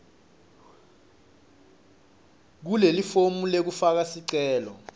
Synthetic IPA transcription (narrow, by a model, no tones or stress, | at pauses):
k̬ulelifomulek̬ufak̬asiǀɛːlɔ